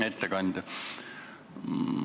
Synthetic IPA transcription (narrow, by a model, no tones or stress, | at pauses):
et̪ːekɑnʲd̪̥ʲ